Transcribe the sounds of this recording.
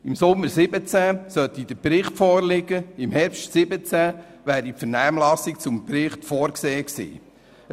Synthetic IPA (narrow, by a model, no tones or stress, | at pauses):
ɪmsʊmːəɾsɪbət͡sæsœt̪id̥̪əpɾɪχtfɔːɾlɪɡəɪmhɛɾpʃtsɪbət͡sæ | ʋæːɾipfəɾnæːmlɑsikt͡sʊmpɾɪχtfɔːɾkseːksḭː